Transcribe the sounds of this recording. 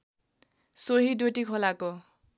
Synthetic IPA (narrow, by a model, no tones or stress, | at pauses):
soɦidoʈikʰolako